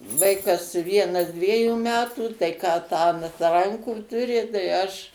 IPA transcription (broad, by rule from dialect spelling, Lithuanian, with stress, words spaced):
ˈʋɐɪkɐs ˈʋʲiɛnɐs ˈdʲʋʲiɛjuː ˈmʲæːtuː tɐɪ ˈkɑː ˈtɑː ɐnt ˈrɐŋkuː tʊˈrʲɪ tɐɪ ˈɐʃ